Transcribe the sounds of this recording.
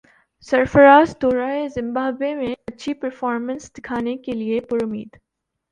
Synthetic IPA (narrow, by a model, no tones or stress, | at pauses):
sɐɾfəɾaːzd̪oːɾaːezɪ̃mbaːbemẽɐtːʃʰipɐɾfɔːɾmə̃nsd̪ɪkʰaːnekeliepʊɾʊmḭːd̪